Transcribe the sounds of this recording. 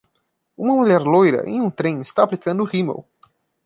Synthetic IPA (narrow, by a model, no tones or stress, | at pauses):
ũmɐmuʎɛɾlojɾɐ̰ʔẽj̃ũt̪ɾẽj̃ist̪aːplikɐ̃nd̪ʊʁimḛw